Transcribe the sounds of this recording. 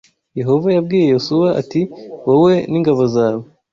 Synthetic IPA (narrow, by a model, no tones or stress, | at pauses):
je̞ɦo̞vajab̚ɡiːje̞josuβaʔa̰tiwowe̞niŋɡaβozaːβo